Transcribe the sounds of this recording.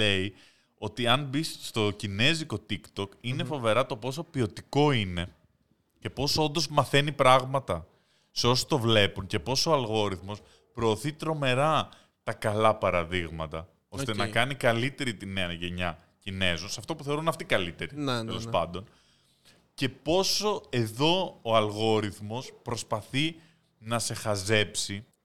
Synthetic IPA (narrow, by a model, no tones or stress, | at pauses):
le̞i | o̞t̪iɐnbisst̪o̞cine̞ziko̞t̪ikt̪okine̞fo̞ve̞ɾɐt̪o̞po̞so̞pio̞t̪iko̞ine̞ | ce̞po̞so̞nd̪o̞zmɐθe̞nipɾɐɣmɐt̪ɐ | seo̞so̥t̪o̞vle̞puɲce̞po̞so̞ɐlɣo̞ɾiθmo̞s | pɾo̞ːθit̪ɾo̞me̞ɾɐ | t̪ɐkɐlɐpɐɾɐðiɣmɐt̪ɐ | o̞st̪enɐkɐnikɐlit̪e̞ɾit̪ineɐʝe̞ɲɐ | cine̞zunsɐft̪o̞puθe̞o̞ɾunɐft̪ikɐlit̪e̞ɾinelospɐ̰nd̪o̞n | ce̞po̞so̞e̞ðo̞oɐlɣo̞ɾiθmo̞spɾo̞spɐθi | nɐse̞xɐze̞psi